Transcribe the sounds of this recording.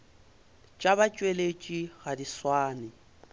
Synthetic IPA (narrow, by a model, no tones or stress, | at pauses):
t͡ʃʼaβat͡ʃʼwelet͡ʃʼiɣadiswaːnɪ